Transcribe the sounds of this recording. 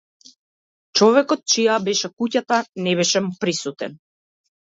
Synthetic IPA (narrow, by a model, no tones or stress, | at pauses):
t͡ʃɔvɛkɔt̪̚t͡ʃijabɛʃɛkucat̪anɛbɛʃɛmupɾisut̪ɛ̰n